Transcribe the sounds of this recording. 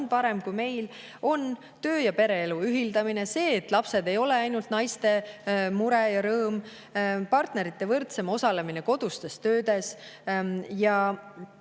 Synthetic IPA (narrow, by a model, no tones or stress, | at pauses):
npɑɾe̞mkujme̞jl | o̞n | t̪ø̞ːjɑpe̞ɾe̞eluyɦild̪̥ɑmine̞se̞ːt̪ːˑlɑpse̞d̪e̞jo̞le̞ɑjnult̪nɑjst̪e̞muɾejɑɾɤːm | pɑrt̪ne̞ɾit̪ːe̞vɤrt̪se̞mo̞sɑle̞mine̞ko̞d̪̥ust̪e̞st̪ø̞ːd̪e̞s | jɑ